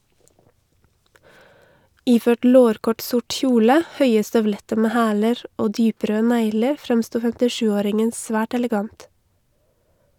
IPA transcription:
ˈiːˌføːʈ ˈloːɾkɔʈ ˈsʊʈ ˈçuːlə ˈhœʏə stœʋˈlɛtə ˈmeː ˈhæːləɾ ˈoː ˈdyːˌpɾøː ˈnæɪləɾ ˈfɾɛmˌstuː fɛmtɪˈʃʉːˌoːɾɪŋən ˈsʋæːʈ ɛlɛˈɡɑnt

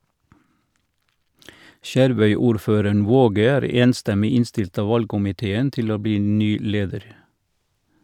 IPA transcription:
ˈʃæɾˌʋœʏˌuːɾˌføːɾəɳ ˈʋoːɡə ˈæːɾ ˈeːnˌstɛmɪ ˈɪnˌstɪlt ˈɑː ˈʋɑlɡkʊmɪˌteːən ˈtɪl ˈoː ˈbiː ˈnyː ˈleːdəɾ

